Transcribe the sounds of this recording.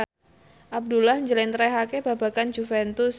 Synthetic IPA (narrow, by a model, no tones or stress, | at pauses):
ʔab̚dulahɲd͡ʒəlɛnt̪ɾɛɦakeba̤bakand͡ʒufɛnt̪ʊs